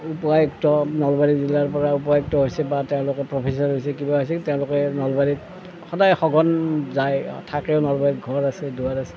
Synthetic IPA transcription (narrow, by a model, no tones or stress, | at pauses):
upajktɔnɔlbaɹizilːaɹpɔɹaup̬ɔk̚tɔɦojsɛbatɛʊ̃lʊkɛpɹɔpʰis̬aɹɦojsɛkibaɦojs̬ɛtɛʊ̃lʊkɛnɔlbalit̚ | xɔdajxɔɡɔnzaj̰tʰakɛʊnɔlbaɹit̚ɡʱɔɹasɛduaɹasɛ̥